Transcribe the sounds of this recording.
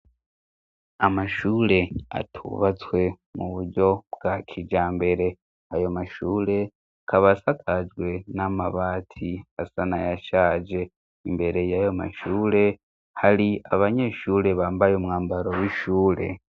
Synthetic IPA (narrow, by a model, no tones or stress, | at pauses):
amaʃuːle̞a̰tʰṵβat͡swe̞ | muβuɾɟo̞bɡakʰid͡ʒaːmbe̞ɾe̞ | ajo̞maʃuːle̞ | kʰaβasakʰad͡ʒɡwe̞namaβaːtʰiasanajaʃaːd͡ʒe̞ | imbe̞ɾe̞jajo̞ma̰ʃuːle̞ | haliaβaɲe̞ʃuːle̞βaːmbajomŋaːmbaɾo̞wiʃuːɾe̞̰